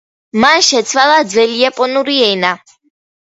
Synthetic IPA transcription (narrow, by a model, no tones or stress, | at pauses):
manʃɛt̪sʰwalad̪zvɛliapʼɔnuɾiɛna